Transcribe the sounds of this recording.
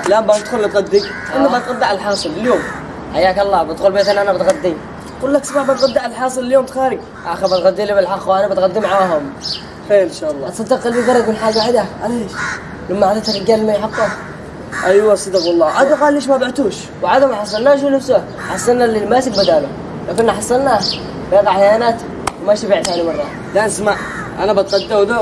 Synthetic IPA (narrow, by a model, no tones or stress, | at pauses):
labanɪd̪xʊlːɪt̪ɣad̪ːi | ʔanːamat̪ɣad̪ːaʕalħɑːsˤɨlɪljoːm | ħajaːkɑlˤːɑːbɪt̪xuːlbeːt̪ʔanːʔanabɪt̪ɣad̪ːi | quːlːaksˤɑbaʕbat̪ɣad̪ːaʕalħɑːsˤɨlɪljoːmt̪xaːɾɪɡ | ʔaxabat̪ɣad̪ːilibɪlħɑxwaanabat̪ɣad̪ːimaʕaaːɦʊm | ħeːlnʃalˤːɑɑt̪sˤɑd̪ɑqːɑlbiɡɑrˤɑd̪mɪnħaːɡaʕɪd̪aʕaleʃ | lamːaʕad̪at̪harɪɡaːlmajħɑt̪ˤːɑ | ʔajwasˤɑd̪ɑqwɑlˤːɑːʔad̪aqalːeːʃ̬mabaʕt̪uːʃ | wʕad̪amaħɑsˤːɑlnaːʃ̬unafsʊ | ħɑsˤːɑnːalilmaːsɪk̚bad̪aʔlʊ | lakɪnnːaħɑsˤːɑlna | baɣɑʕːajaːnaːt̪ | wmaʃabiʕt̪aʕnimɑrˤːɑ | laʔasmaʕ | ʔanabat̪ɣad̪ːawd̪a